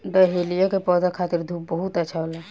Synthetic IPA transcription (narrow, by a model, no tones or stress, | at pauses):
ɖəɦelijokepɔːd̪akʰaːt̪iɾd̪ʱuːpbəɦut̪ətːʃʰaɦola